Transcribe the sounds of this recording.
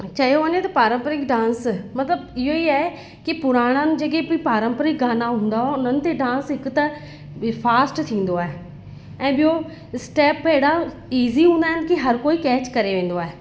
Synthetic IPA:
t͡ʃəjoonẽt̪ɐpaːɾə̃mpəɾɪkɖãːnsmɐt̪ləbɪjoːiːɛ | kipʊɾaːɽ̃ãːnd͡ʒəɡeipaːɾə̃mpəɾɪkɡaːnaɦʊ̃ːnd̪aːɦoʊnənt̪eɖãːnsɪkt̪a | pʰaːsʈt̪ʰĩːnd̪oaːɦe | ɛ̃ːbɪjoː | sʈɛːpeːɽa | iːziːɦũːnd̪aːɦɪnkɪɦəɾkoːiːkɛːt͡ʃkəɾeːʋẽːn̆d̪oaːeː

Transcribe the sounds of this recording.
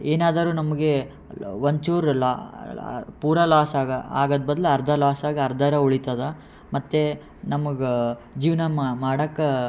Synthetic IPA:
eːnaːd̪ɐɾuːnɐmɐɡe | ʋɐɲt͡ʃuːɾl̰ː | puːɾɐlaːsaɡɐa̰ːɡɐd̪bɐd̪ɐleɐɾd̪ʱɐlaːsaːɡiɐɾd̪ʱɐɾɐuɭit̪ɐd̪ɐ | mɐt̪ːe | nɐmɐɡed͡ʒiːʋnɐmmaːɽɐkːɐ

